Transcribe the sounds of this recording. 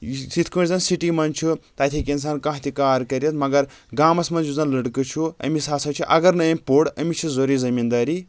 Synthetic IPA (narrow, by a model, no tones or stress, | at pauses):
sit̪ʰkunʲzɐnsiʈimɐnt͡ʃʰut̪aːt̪ʰikʲins̬aːnkãɦt̪ʲikaːɾkɐɾjɐt̪mɐɡɐɾɡaːmɐsmɐnd͡ʒuzɐnlɐɽkɨt͡ʃʰuɐ̰misaːsʰɐt͡ʃʰuʔɐɡɐɾnɐjɐmʲpoɽɐmit͡ʃʰizoɾizɐmiːnd̪aːɾi